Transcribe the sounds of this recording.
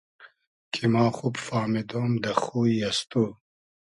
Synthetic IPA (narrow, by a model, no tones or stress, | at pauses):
kʰimɑːxubfaːmed̪oːmd̪ɐxuiɐst̪uː